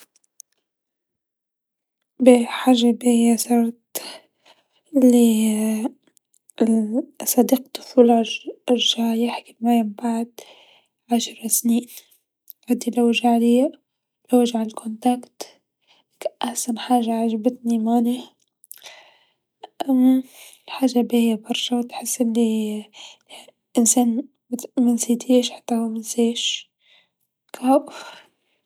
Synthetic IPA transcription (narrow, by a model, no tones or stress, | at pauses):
biħaːʒabijasɑːɾt̪ | ʔlːi | sˤɑd̪iːqt̪ʊ̥fuːl | ʒajaħkɪlmajambaʕd̪̚ | ʕaʃɾˤɑsniːn | ʕad̪ilawʒaʕli | lawaʒʕalkʰʊnt̪akt̪ | ʔaħsanħaːʒaʕaʒabɪt̪nimaːni | ʔamːalħaːʒːabihjabɑɾˤʃawt̪ħɪsːʔɪnːi | ʔɪnsaːn | mɪnsiːt̪ʰeːʃħḁt̪ːahumɪnseːʃ | kʰaʔf